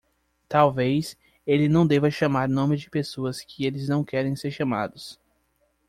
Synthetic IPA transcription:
t̪awvejs | elɪnɐ̃w̃d̪evɐʃamaɾnõmɪd͡ʒɪpesoɐskʰɪelɪznɐ̃w̃kɛɾẽj̃seɾʃama̰d̪ʊs

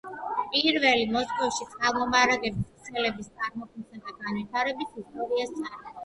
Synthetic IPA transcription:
pʼiɾvɛlimɔskʼɔvʃit̪sʼamɔmaɾaɡɛbist̪sʰɛlɛbist̪sʼaɾmɔkʰnsɛd̪aɡanvit̪ʰaɾɛbisist̪ʼɔɾiast̪sʰʼaɾ

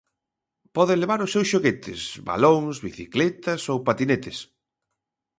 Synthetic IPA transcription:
pɔðɪleβaɾʊsːewsʃoɣet̪ʰɪ̰sβa̰loŋzβiθiklɛt̪ɐsowpat̪inet̪ɪs

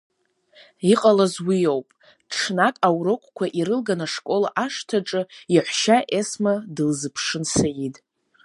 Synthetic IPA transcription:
iqʼalazwijowpʼ | ʈ͡ʂʰnakʼawɾokʷʼkʷʰaʔiɾɨlɡanaʂkʼo̞la̰ʔaʂtʰaʈ͡ʂʼɨiħʷʃaʔesmadɨlzɨpʰʂɨnsajitʼ

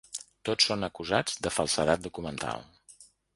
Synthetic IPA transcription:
t̪ot͡ssonəkuzad͡zd̪əfəlˠsəðat̪̚d̪ukumənt̪ʰa̰lˠ

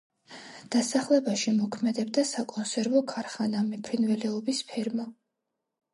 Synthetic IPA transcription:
d̪̥asaχlɛbaʃimɔkʰmɛd̪ɛb̚d̪asakʼɔnsɛɾvɔkʰaɾχanamɛpʰɾinvɛlɛɔbispʰɛɾma

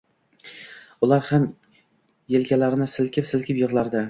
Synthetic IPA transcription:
ʊlaɾham | jelɡʲalaɾɪnɪsɪlkʲʰɪpsɪlkʲʰɪpjɨʁlˠaɾd̪ɪ

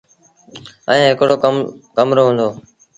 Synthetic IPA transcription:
ə̃ẽːɦɪkɽoːkəkəmɾoːɦʊ̃ːnd̪oː

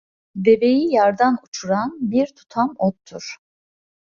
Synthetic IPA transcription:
d̪e̞ve̞jijaɾd̪anut͡ʃʰuɾanbiɾt̪ʰu̥t̪ʰamot̪ʰːuɾ̥

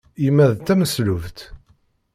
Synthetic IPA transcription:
imːæðt̪ːæməsluvt̪

